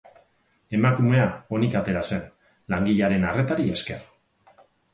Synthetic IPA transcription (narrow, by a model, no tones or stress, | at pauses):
e̞makume̞ao̞nikat̪e̞ɾase̞n | laŋɡiʎaɾe̞nare̞t̪aɾie̞ske̞r